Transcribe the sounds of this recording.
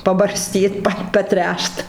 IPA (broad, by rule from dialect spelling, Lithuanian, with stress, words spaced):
pɐbɐrʲˈsʲtʲiːt ˈpɐ pɐˈtʲrʲæːʃt